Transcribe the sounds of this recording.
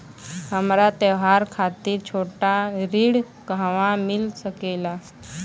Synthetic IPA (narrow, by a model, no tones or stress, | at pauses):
ɦəmɾat̪eʋɦaɾkʰat̪iːɾt͡ɕʰoʈaɾiːɽ | kaʋãmilsəkela